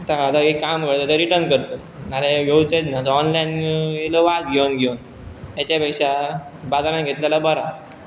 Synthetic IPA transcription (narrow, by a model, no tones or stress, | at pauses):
t̪akat̪aekːamkəɭt̪ət̪əɾiʈəɾnkəɾt̪ə | naleɡʱewt͡sət̪nat̪əɔnlajnjeləʋat̪̚ɡʱewnɡʱewn | at͡ɕapəʂa | bad͡z̪alãnɡʱet̪ljalabəɾa